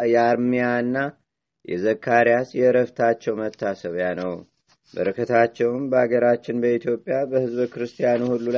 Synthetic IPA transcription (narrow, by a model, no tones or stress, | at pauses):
jɛaɾmijaɨnːa | jɛ̰zəkʰːaɾijasjɛɾəft̪ʰat͡ʃːɛwmət̪ʰːasəβjanəw | bə̰ɾəkʰət̪ʰat͡ʃːɛwɨmbəaɡəɾat͡ʃːɪnbəit̪ʰjo̞pʼːijabəhɨzbkɨɾɨst̪ʰijanuhulːul